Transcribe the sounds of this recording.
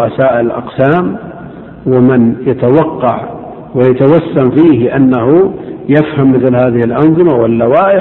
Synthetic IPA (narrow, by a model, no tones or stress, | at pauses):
ʔasaːʔɪllʔɑ̰qsaːm | wɪmɪnjat̪awɑqːɑʕ | wɪjat̪awasːamfiːhʔanːahujafhamːɪθlhaːðɪhɪlʔɑnðˤɨmawɪlːawaːʔɪ